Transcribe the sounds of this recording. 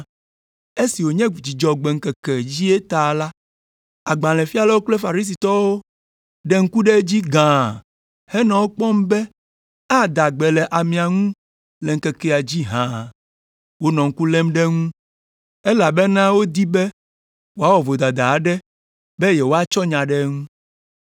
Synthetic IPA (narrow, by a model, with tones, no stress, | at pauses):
e˦si˨wo˨ɲɛ̃˦d͡ʑi˨d͡ʒɔ˨ɡ͡bɛ˨ŋ̩˨kɛ˨kɛ˨d͡ʑi˦e˦t̪a˨la˦ | a˨ɡ͡bã˨lɛ̃˨fi˦a˨lɛ˦o˦k͡ple˦fa˨ɾi˦s̬i˨t̪ɔ˦wo˦ | ɖɛ˦ŋ̩˦ku˦ɖe˦d͡ʑi˦ɡã˨ | hɛ˦nã˨wo˦k͡pɔ˦mbɛ˦ | a˦d̪a˨ɡ͡bɛ˨lɛ˨ʔa˨mĩ˨a˨ŋũ˦ | lɛ˨ŋ̩˨kɛ˨kɛ˦a˨d͡ʑi˦ɦã˨ | wo˦nɔ̃˨ŋ̩˦ku˦lɛ̃˦mɖɛ˦ŋũ˦ | e˦la˨be˦nã˦wo˦d̪i˦bɛ˦ | wo˨˦a˦wɔ˨vo˨d̪a˨d̪a˨ɖɛ˦ | be˦jɛ˨wo˦a˦t͡ʃɔ˦ɲã˨ɖe˦ŋũ˦